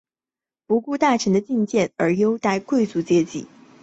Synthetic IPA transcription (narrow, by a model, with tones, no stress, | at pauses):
pu˧˥ku˥˧t̪a˥˩ʈ͡ʂʰə˧˥ŋd̪ə˧t͡ɕi˥˧ŋt͡ɕjɛ˥˩nə˞˧˥jo˥ʊt̪a˥˧ɪkwe˥˩ɪt͡su˧˥t͡ɕjɛ˥t͡ɕḭ˥˩˦